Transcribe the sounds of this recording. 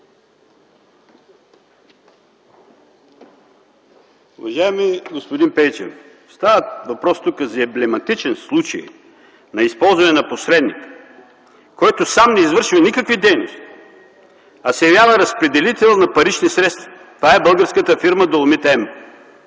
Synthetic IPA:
uvɐʒaɛmiɡospod̪inpɛjt͡ʃɛ̰n | st̪avət̪vɐpɾɔst̪ukəzɐɛblɛmɐt̪it͡ʃɛnslˠut͡ʃə̰j | nɐispɔlˠzvɐnɛnɐposɾɛd̪nik | kɔjt̪osamnɛizvəɾʃivɐnikəkvid̪ɛjno̰st̪i̥ | ɐsɛjɐvjavəɾɐspɾɛd̪ɛlit̪ɛlˠnɐpɐɾit͡ʃnisɾɛt̪st̪vɐ̥ | t̪vaɛbəlˠɡəɾskət̪əfiɾməd̪olˠmit̪ɛm

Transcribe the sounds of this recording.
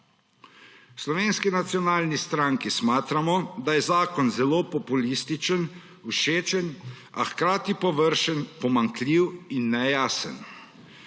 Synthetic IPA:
slɔʋeːnskinat̪sijɔnaːlnist̪ɾaŋkismaːt̪ɾamɔd̪ajɛzaːkɔnzɛloːpɔpulist̪it͡ʃən | uʃeːt͡ʃən | a̰xkɾaːt̪ipɔʋəɾʃənpɔmaŋkliwinːɛjaːsə̰n

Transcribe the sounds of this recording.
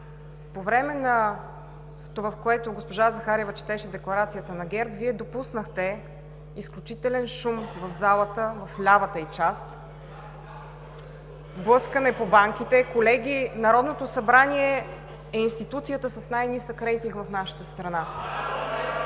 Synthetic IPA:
povɾɛmɛnɐ | t̪ovafkoɛt̪oɡospoʒazɐxaɾɛvət͡ʃɛ̥t̪ɛʃɛd̪ɛklˠɐɾat̪sijət̪ənɐɡɛɾt̪viɛd̪opusnəxt̪ɛ | isklʲut͡ʃit̪ɛlɛnʃumvɐvzalˠət̪əvɐflʲavət̪əit͡ʃast̪ | blˠɤskənɛpobaŋkʲit̪ɛkolɛɡʲinɐɾɔd̪not̪osɐbɾaniɛ | ɛinst̪it̪ut̪sijət̪əsɐsnajnisəkɾɛjt̪iŋɡvɐfnaʃə̥t̪əst̪ɾɐna

